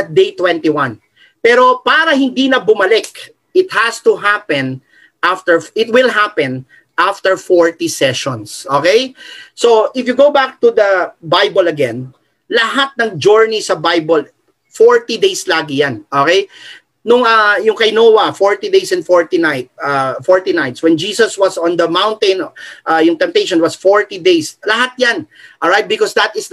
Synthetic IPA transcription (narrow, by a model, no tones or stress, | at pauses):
ɐt̪̚d̪ejt̪wɛ̃nt̪iwan | pɛːɾo̞paːɾɐhɪnd̪inɐbʊmɐlɛk | ʔɪt̪̚hɐst̪ʊɦapɛ̃n | ʔaft̪ɛɹʔɪt̪wɪlɦapɛ̃n | ʔaft̪ɛɹfoɹt̪isɛʃɔ̃nsʔoːkejsoʔɪfjʊɡowbak̚t̪ud̪ɐbajbolɐɡɛ̃n | lɐɦat̪̚nɐŋd͡ʒuɹnisɐbajbol | foɹt̪id̪ejslaːɡɪjanʔoːkej | nʊŋɐjʊŋkɐjnoːwɐfoɹt̪id̪ejsɛ̃nd̪foɹt̪inajt̪̚ɐfɔɹt̪inajt̪swɛ̃nd͡ʒiːsɐswɐsɔ̃nd̪ɐmãwnt̪ẽnʔɐjʊŋt̪ɛ̃nt̪ejʃɔnwɐsfoɹt̪id̪ejslɐɦat̪̚jan | ʔoajt̪̚bɪkɔsd̪ɐt̪ɪs